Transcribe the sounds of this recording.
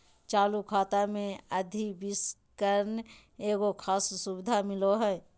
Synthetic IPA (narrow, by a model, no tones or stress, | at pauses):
t͡ʃaːlukʰaːt̪amẽəd̪ʱibɪskəɾn | eːɡokʰaːssubɪd̪ʱamɪloɦɛː